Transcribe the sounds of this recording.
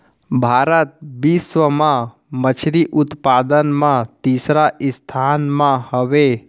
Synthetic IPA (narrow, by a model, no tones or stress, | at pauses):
bʱaːɾət̪̚bisʋəmã | mət͡ʃʰɾiʔʊt̪paːd̪ənmãt̪iːsɾaʔɪst̪ʰanmãhəʋe